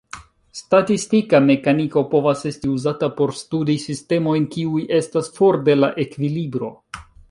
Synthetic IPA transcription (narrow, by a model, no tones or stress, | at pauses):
statistikame̞kaniko̞po̞vase̞stiuzatapo̞ɾstudisiste̞mo̞jnkiujʔe̞stasfo̞ɾde̞laʔe̞kvilibɾo̞